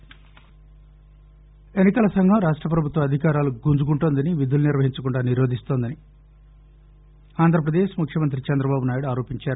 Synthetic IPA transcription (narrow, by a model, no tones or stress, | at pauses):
e̞nːikɐlɐsɐŋɡʱɐmɾaːʂʈɾɐpɾɐbʱut̪ʋɐɐd̪ʱikaːɾaːluɡund͡ʒuɡuɳʈoːnd̪ɐniʋid̪uluniɾʋɐɦiɲt͡ʃɐkuɳɖaːniɾoːd̪ʱist̪oːnd̪ɐni | aːnd̪ʱɾɐp̬ɾɐd̪eːʃmukʰjɐmɐnt̪ɾit͡ʃɛnd̪ɾɐbaːbunaːjuɽuaːɾo̞ːpiɲt͡ʃaːɾu